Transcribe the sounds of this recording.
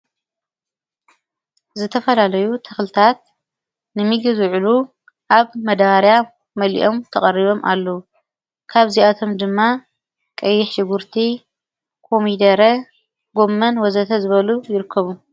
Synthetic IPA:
zɨt̪ʰɐfɐlalɐjut̪ʰɐxlɨt̪ʰat̪̚ | nɨmiɡɨzʕulu | ʔaβmɐd̪aɾja | mɐlḭʔo̞mt̪ʰɐχʼɐriβo̞mʔa̰lːɐu | kʰaβziat̪ʰo̞md̪ɨmːa | kʼɐjːɪħʃɪɡuɾt̪ʰi | kʰo̞mid̪ɐɾɐ | ɡo̞mːɐnwɔzɐt̪ʰɐzɨβɐlujɪɾɨkʰːɐβu

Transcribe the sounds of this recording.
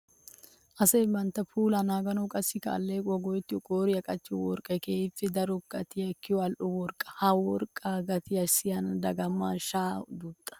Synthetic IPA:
ʔɐsɐjmɐnt̪ːɐpuːlanaːɡɐnɔkʼɐsɪkɐ̰ːlːeːkʼɔɡɔjɛt̪ːɪɔkʼoːɾɪjɐkʼɐt͡ʃːɪjɔwɔ̰ɾkʼɐjkeːɪfːɪd̪ɐɾɔkːɐt̪ɪjɐkːɪjɔɐlʔɔwɔɾkʼːɐ̥hɐwɔɾkʼːaɡɐt̪ɪjɐsɪjɐnd̪ɐɡɐmːa̰ːʃaːd̪uːt̪ʼːɐ̥

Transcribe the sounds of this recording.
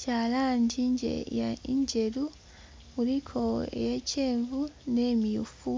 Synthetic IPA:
caːlaːɲɟiɲɟḛja̰iɲɟe̞ɾu | uɾikʰo̞ḛjeceːɱvuneːmijufu

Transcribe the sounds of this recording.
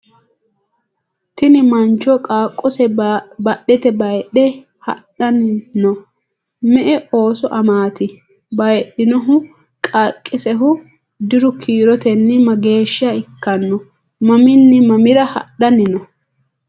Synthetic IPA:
t̪ɪnɪmɐnt͡ʃːɔkʼaːkʼːɔsɛbɐɗːɛt̪ɛbɐjɗɛ | hɐ̰ɗɐnɪnɔ | mɛʔɛʔo̞ːsɔʔɐmaːt̪ɪ | bɐjɗɪnɔɦʊ | kʼakʼːɪsɛɦʊ | d̪ɪɾʊkʰiːɾɔt̪ɛnːɪmɐɡe̞ːʃɪɐɪkːɐnːɔ | mɐmɪnːɪmɐmɪɾɐhɐ̰ɗɐnɪnɔ

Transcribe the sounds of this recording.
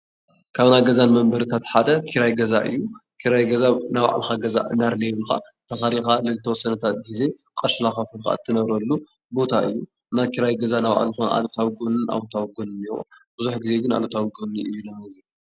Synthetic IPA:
kʰaβnajɡɐzanmɐmbɐɾɨt̪ʰat̪ħad̪ɐkʰiɾajɡɐza̰ʔɨ̰jːukʰiɾajɡɐzanawa̰ʕa̰lxaɡɐza̰ʔɨnaɾleβlɨxa̰t̪ʰɐxaɾixalɨlt̪ʰɐwɔsːɐnɐt̪ʰat̪̚ɡize̞ | kʼɐʃlaxafɨlxa̰ɨt̪ʰːɨnɐβɾɐlːu | bo̞t̪ʰaʔɨ̰jːu | najkʰiɾajɡɐzanawʕa̰lzɨxonʔa̰lot̪ʰawɡonɨnʔa̰βt̪ʰawɡonɨnːiwo̰b̥ɨzuħɡize̞ɡɨna̰lot̪ʰawɡoniʔɨ̰jːulɐmɐzi

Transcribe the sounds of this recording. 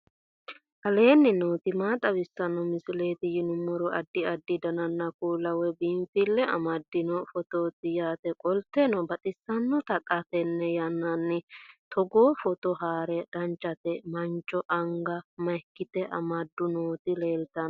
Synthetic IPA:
ʔɐle̞ːnːɪnoːt̪ɪmaːt̪ʼɐbɪsːɐnɔmɪsɪle̞ːt̪ɪjɪnʊmːɔɾɔʔɐd̪ːɪɐd̪ːɪd̪ɐnɐnːɐkuːlɐwɛbɪmfɪlːɛʔɐ̰mɐd̪ːɪnɔfɔt̪oːt̪ːɪjaːt̪ɛkʼɔlt̪ːenɔbɐt̪ʼɪsːɐnːɔt̪ɐkʼːɐt̪ɛnːɛjɐnːɐnːɪt̪ʰɔɡoːfɔt̪ɔɦaːɾɛd̪̥ɐnt͡ʃʼːɐt̪ɛmɐnt͡ʃʼːɔʔɐŋɡɐmɐjkːɪt̪ɛʔɐmɐd̪ːʊnoːt̪ɪle̞ːlt̪ːɐn

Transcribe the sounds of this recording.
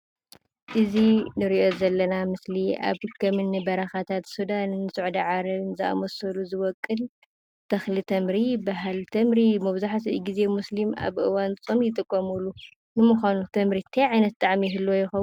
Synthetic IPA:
ʔɨzinɨɾiʔo̞zɐlːɐnamɨsliʔa̰βkʰɐmɨnːɨbɐɾɐxat̪ʰat̪sud̪annːɨsɨʕd̪ɐʕaɾɐβnzɨa̰mosɐluzɨwɔkʼːɨl | t̪ʰɐxlɨt̪ʰɐmɾibaɦalt̪ʰɐmɾimɐβzaħt̪ʰiɡize̞muslima̰βʔɨwant͡sʼomjɪt̪ʼɨkʼːɐmulu | nɨmuxʷanut̪ʰɐmɾit̪ʰɐjʕajnɐt̪̚t̪ʼːaʕmijɦɨlːojɪxɐ

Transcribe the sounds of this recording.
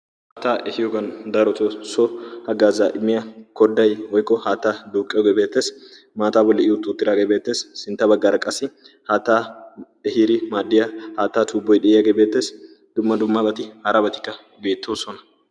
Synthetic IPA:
hahat̪ːaːʔɛhɪjɔɡɐnd̪ɐɾɔt̪osɔhɐɡaːzaːʔɪmːɪjɐkɔd̪ːɐjwɔjkʼːɔhaːt̪ːaːd̪uːkʼːɪjɔɡebe̞ːt̪ːe̞ːs | maːt̪aːbɔlːɛʔɪjʊt̪ʼuːt̪ːɪɾaːɡeːbe̞ːt̪ːe̞ːsːɪnt̪ːɐbɐɡːaːɾɐkʼːɐsɪ | haːt̪ːaː | ɛhiːɾɪmaːd̪ːɪjɐhaːt̪ːaːt̪ʰuːbːɔjɗɛʔɪjɐɡebe̞ːt̪ːe̞ːs | d̪̥ʊmːɐd̪ʊmːabɐt̪ɪhɐɾɐbɐt̪ɪ̥kːɐ | be̞ːt̪ːoːsɔnɐ̥

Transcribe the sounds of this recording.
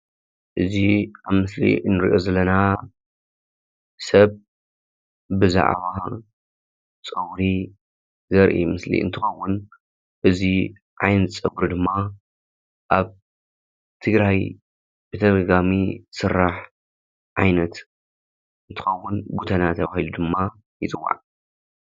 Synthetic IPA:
ʔɨziʔaβmɨslḭnɨɾʔo̞zɐlːɐna | sɐβ | bɨza̰ʕ̰βa | t͡sʼɨwɾi | zɐɾʔḭmɨslḭɨ̰nt̪ʰɨxɐwːʊn | ʔɨzi | ʕajnɨt͡sʼɐbɾd̪ɨmːa | ʔaβ | t̪ʰɨɡɾaj | b̥ɨt̪ʰɐɡɐɡamisɨrːaħ | ʕajnɐt̪ | ɨnt̪ʰɨ̥xɐwːʊnbut̪ʰɐnat̪ʰɐβahilud̪ɨmːa | jɨt͡sʼɨwːa̰ʕ

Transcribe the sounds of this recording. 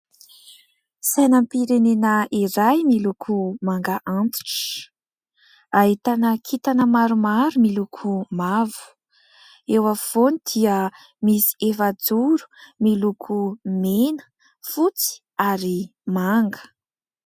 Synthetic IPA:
sajnəmpiɾenenəiɾajmilukʰumaŋɡaʔant̪i̥ʈ͡ʂə̥ | aɦit̪anəkʰit̪anəmaɾumaɾumilukʰumavu̥ | ewav̥onid̪̥iə | misi̥efad͡zuɾu̥milukʰumenə̥ | fut͡si̥ | aɾimaŋɡə̥

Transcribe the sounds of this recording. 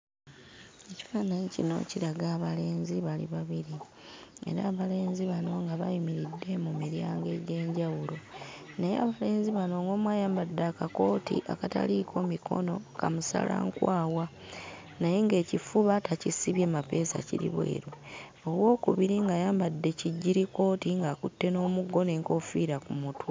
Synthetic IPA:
e̞ci̥faːnaɲicino̰ciɾaɡaːβale̞ːnziβalḭβaβiɾi | e̞̰ɾaːβale̞ːnziβano̞ŋɡaβa̰jimiɾidːe̞mumiɾjaːŋɡe̞ɟe̞ːɲɟawulo̞ | nejḛaβale̞ːnziβano̞ŋɡo̞ːmwajaːmbadːakako̞ːtḭʔa̰kata̰likʰo̞ːmikʰo̞̰no̞kamusa̰lʔa̰ŋkwaːwa | naje̞ŋɡe̞ːcifuβatacisiβjeːmape̞ːsa̰ciɾḭβwe̞̰ːɾo | oβwo̞ːkuβiɾiŋɡajaːmbadːe̞ciɟːiɾiko̞ːtiŋɡakutːe̞no̞ːmuɡːo̞ne̞ːŋko̞fiːɾakumutwa

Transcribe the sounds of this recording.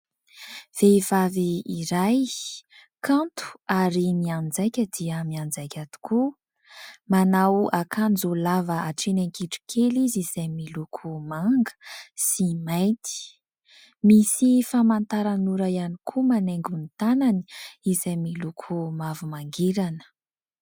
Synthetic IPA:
v̥eiv̥aviːɾaj | kãnt̪u̥aɾimiand͡zajkʲəd̪iəmiand͡zajkʲat̪u̥kʰu | manawakʰand͡zolavəaʈ͡ʂinaŋkiʈ͡ʂi̥kʰeliziz̥ajmilukʰumaŋɡə̥simajt̪i̥ | misifamant̪aɾanuɾajanikʰumaneŋɡunit̪anani̥izajmilukʰumavumaŋɡeɾanə̥

